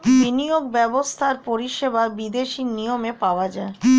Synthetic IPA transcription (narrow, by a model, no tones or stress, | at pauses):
binioɡ̚bɛbost̪ʰaɾpoɾiʃebabid̪eʃinijomepaoad͡ʑae